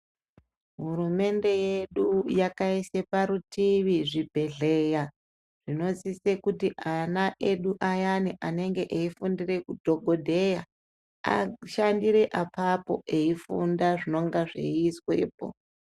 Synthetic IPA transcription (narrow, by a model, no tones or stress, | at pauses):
ɦuɾume̞nde̞jeɗujakaise̞paɾutiʋiʐibʱe̞ɮe̞ja | ʐ̥ino̞zisekutiʔanaʔe̞ɗuʔajaniʔane̞ŋɡe̞ʔeifundire̞kudʱo̞ɡʱo̞dʱe̞ja | a̰ʃandiɾe̞ʔapapo̞̰ʔe̞ifundaʐino̞ŋɡaʐḛiswe̞̰ːpo̞̰